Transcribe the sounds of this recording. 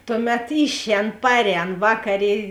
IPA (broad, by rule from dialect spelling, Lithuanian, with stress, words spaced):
ˈtʊˌmʲɛt ˈɪʃʲˌɛːn ˈpɑːrʲˌɛːn ˈʋɑːkɐˌrʲeː